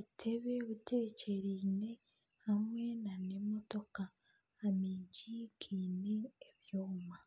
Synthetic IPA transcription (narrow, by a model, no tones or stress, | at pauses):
βutʰe̞βeβutʰe̞ːce̞ɾiːne̞ | hamwe̞nane̞mo̞to̞kaː | miːɲɟikʰiːneːβjoːma